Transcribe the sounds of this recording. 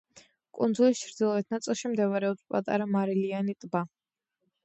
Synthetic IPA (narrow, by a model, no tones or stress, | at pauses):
kʼund̪zulist͡ʃʰɾd̪ilˠɔɛt̪ʰnat̪sʼilˠʃimd̪ɛvaɾɛɔpspʼa̰t̪ʼa̰ɾamaɾilianit̪ʼba